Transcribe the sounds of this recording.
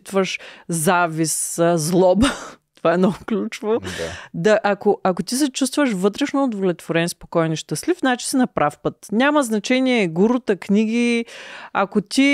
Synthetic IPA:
t̪vəʃzaviszlˠɔbt̪ovaɛnɔklʲut͡ʃvod̪ɐʔakoɐkot̪is̬ɛt͡ʃust̪vəʃvɤt̪ɾɛʃnoːd̪volʲɛt̪voɾɛnispo̥kɔjniʃt̪əslifnat͡ʃi̥sinɐpɾafpət̪nʲaməznɐt͡ʃɛniɛɡuɾʊt̪əknʲiɡ̟i | ɐkot̪i

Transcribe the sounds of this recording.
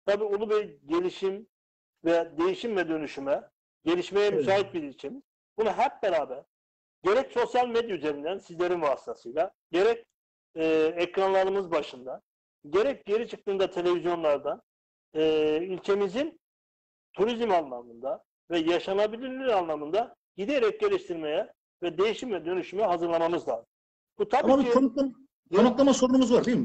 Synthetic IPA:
t̪ʰabiːolˠubejɟe̞lʲiʃim | vɛd̪e̞jiʃimvɛd̪ø̞nyʃymɛ | ɟe̞lʲiʃme̞jɛmysaːɦit̪̚biɾilʲcʰe̞miz̥ | bunaɦæp̚beɾaːbæɾ̥ | ɟe̞ɾɛcso̞sjalʲmed̪jayze̞ɾind̪ænsizlʲe̞ɾinvaːsi̥t̪ʰasɯjlʲˠaɟe̞ɾɛcː | ɛcɾanlˠaɾɯmɯzbaʃɯnd̪a | ɟe̞ɾɛc̚ɟe̞ɾit͡ʃʰɯ̥k̚t̪ɯːnd̪at̪ʰe̞lʲe̞vizjo̞nlˠaɾd̪an | ɯːylʲcʰe̞mizin | t̪ʰuɾizmanlˠamɯnd̪a | vɛjaʃanabilʲilʲiɾanlˠamɯnd̪a | ɟ̥id̪eɾɛc̚ɟe̞lʲiʃt̪ʰiɾme̞jɛ | vɛd̪e̞jiʃimvɛd̪ø̞nyʃymɛɦazɯɾlˠamamɯzlˠa̰ːzɯm | b̥ut̪ʰabiionkˠa | kʰonuklˠamaso̞ɾunumuzvaɾd̪ejilmɪ

